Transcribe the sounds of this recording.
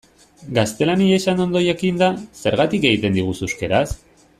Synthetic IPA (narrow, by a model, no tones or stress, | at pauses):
ɡast̪e̞laniaesano̞nd̪o̞jakind̪ase̞ɾɣat̪ike̞ɣit̪e̞nd̪iɣ̞ususke̞ɾas